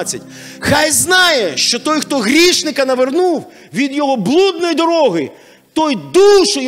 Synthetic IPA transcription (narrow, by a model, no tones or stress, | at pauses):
t͡sʲːɐtʲ | xɑjznɑjɛʃt͡ʃɔt̪ɔjxt̪ɔɦɾʲiʃnɪkɐnɐʋernuw | ʋʲid̪jɔɦɔblˠud̪nɔjd̪ɔɾɔɦɪ | t̪ɔjd̪uʃɔ